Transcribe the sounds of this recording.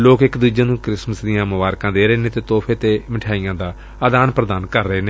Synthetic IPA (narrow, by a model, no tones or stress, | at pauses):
loːkɪkd̪uːd͡ʒãːnũːkɾɪsməsd̪ɪjãːmʊʋaːɾkãːd̪eːɾəeːnẽːt̪eːt̪oːpʰeːt̪eːmɪʈʰaːijãːd̪aː | əd̪aːnpɾəd̪aːnkəɾːəɦeːneː